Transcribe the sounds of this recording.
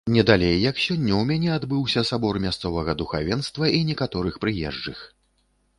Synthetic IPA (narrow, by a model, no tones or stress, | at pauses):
nʲɛd̪alʲejːɐksʲɔnʲːɐwmʲanʲɛad̪bɨwsʲɐsabɔrmʲast̪sɔvɐɣɐd̪uxa̰vʲɛnst̪vɐinʲɛkat̪ɔɾɨxpɾɨjɛ̰ʐd͡ʐɨx